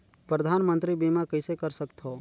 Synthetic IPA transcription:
pɾəd̪ʱaːnmə̃nt̪ɾibimakəɪsekəɾsəkt̪ʰɦo

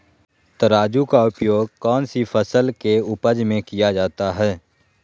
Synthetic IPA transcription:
t̪əɾaːd͡ʒukaʊpjoːɡkɔːnsifʰəsəlkeʊpəd͡ʒmẽkijad͡ʒaːt̪aɦɛː

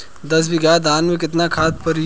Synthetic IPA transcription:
d̪ɐs̬bɪɡaːd̪aːnmẽk̬ɪt̪nakʰaːt̪pɐɾ

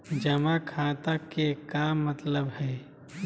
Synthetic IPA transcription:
d͡ʒəmakʰãːt̪akekaːmːət̪ləbhɛː

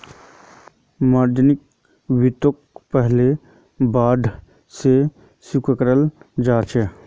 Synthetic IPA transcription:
maːɾd̪ənɪk̚ | wɪt̪ok̚pɛɦle | baːɖ̪ʱ | se | sukəkɾəld͡ʒaːt͡ʃʰɛː

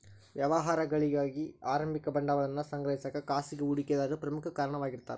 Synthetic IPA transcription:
ʋjɐʋɐɦaːɾɐɡɐɭɪɣaːɣiaːɾɐmbɪkːɐbɐɳɖaːʋɐɭɐnːɐsɐŋɡɾɐɦɪsakːɐkaːsɪɣɯʊɽɪkːeðaːɣɯpɪɾɐmɯkɐkaːɾɐɳɐmaːɣɪɾɯt̪ːa̰ːɾ

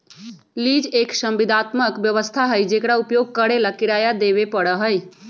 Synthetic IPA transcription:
lid͡ʒeksəmbid̪ʱat̪məkbjəʋəst̪ʰaɦəjd͡ʒekɽaupjoɡ̚kəɾelakiɾajad̪eβepəɽəɦəj

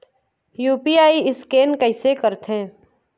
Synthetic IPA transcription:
juːpiaːiɪskeːnkɐɪsekəɾt̪ɦẽː

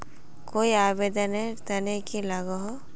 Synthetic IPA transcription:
koːiaːbeːd̪ənɦet̪ɐnekilɐɡaɦo

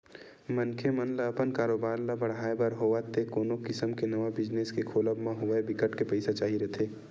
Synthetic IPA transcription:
mɐnkʰemɐnlaːpənkaːɾoːbaːɾlabɐɽaːebɐɾɦoːʋat̪ekoːnokɪsəmkenɐʋabɪd͡ʒneskekʰoːləbmãɦoʋaebɪkəʈkepɐɪsat͡ʃaːɦiɾɛt̪ʰeː

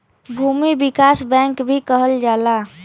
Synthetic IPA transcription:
bʱuːmibɪkaːsbɛ̃ːŋkbʱikəɦəld͡ʒaːla

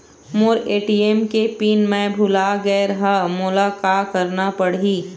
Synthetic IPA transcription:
mʊɾeːʈiemkepiːnmɛ̃bʱʊlaɡɛːɾɦamʊlakaːkɐɾnapəɽiː

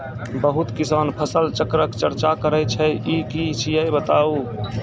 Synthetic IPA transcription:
bəɦut̪kisaːnpʰəsəlt͡ʃəkɾəkt͡ʃəɾt͡ʃakəɾəjt͡ʃʰɛikit͡ʃʰijəjbət̪aːu

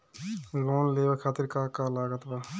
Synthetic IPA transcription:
ɡɔnlebakʰaːt̪iɾkaːkaːlaːɡət̪ba

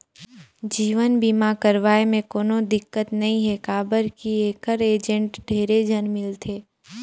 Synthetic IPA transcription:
d͡ʒiːʋənbiːmakəɾʋaːemẽkoːnod̪ɪkːət̪nɐɦĩɦɛkaːbəɾkieːkəɾeːd͡ʒə̃ɳʈɖʱeːɾed͡ʒʱənmɪlt̪ʰeː

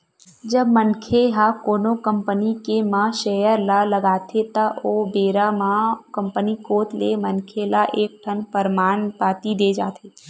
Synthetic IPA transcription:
d͡ʒəbmənkʰeɦakoːnokə̃mpənikemãʃejəɾlaləɡaːt̪ʰet̪ɐʔoːbeːɾamãkə̃mpənikoːt̪lemənkʰelaʔeːk̚ʈʰənpəɾmaːnpaːt̪id̪eːd͡ʒaːt̪ʰe

